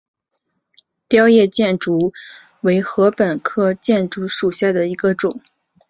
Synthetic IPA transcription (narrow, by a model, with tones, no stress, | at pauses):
t̪jɑ˥ʊjɛ˥˧t͡ɕjɛ˥˩nʈ͡ʂu˧˥ | we˧˥ɪxɤ˧˥pə˨˩nkʰɤ˥˧t͡ɕjɛ˥˩nʈ͡ʂu˧˥ʂu˨˩ɕja˥˩d̪ə˩i˧˥ɡə˧ʈ͡ʂʊ˨˩˦ŋ